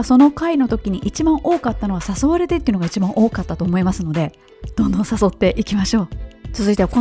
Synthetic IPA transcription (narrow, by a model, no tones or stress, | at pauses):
so̞no̞kaino̞t̪o̞kʲiɲ̟iʔit͡ɕibãɰ̃ʔo̞ːkat̪ːano̞ɡasaso̞βaɾe̞t̪et̪ːeiɯ̟noait͡ɕibãɰ̃ʔo̞ːkat̪ːat̪o̞ːmo̞imasɨno̞d̪e̞ | d̪̥õ̞nd̪õ̞saso̞t̪ːe̞ʔikʲimaɕo̞ːt͡sɨzɨit̪eako